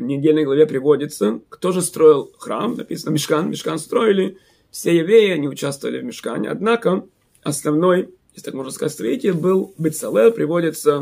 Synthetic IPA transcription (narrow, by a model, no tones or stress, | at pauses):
vnʲɪdʲelʲnəjɡlˠɐvʲepɾʲɪvo̞dʲɪt̪səkt̪o̞ʐɨst̪ɾo̞ɪlˠxɾa̰mnɐ̰pʲisənəmʲɪʂkanmʲɪʂkanst̪ɾo̞ɪlʲɪ | fsʲejɪvɾʲejɪɐnʲɪʊt͡ɕast̪vəvə̰lʲɪvʲmʲɪʂka̰nʲɪ̰ɐ̰d̪nakə | ɐsnɐvno̞jjesʲɪt̪akmo̞ʐnəskɐzatʲst̪ɾɐitʲɪlʲbɨlˠbɨt̪sɐlˠɛpɾʲɪvo̞dʲɪt̪sə